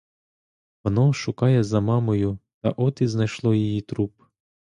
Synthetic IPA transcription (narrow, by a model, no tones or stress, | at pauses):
ʋɔnɔʃʊkɑjɛzɐmɑmɔjʊt̪ɐ̰ʔɔt̪iznɐjʃlˠɔjijit̪ɾup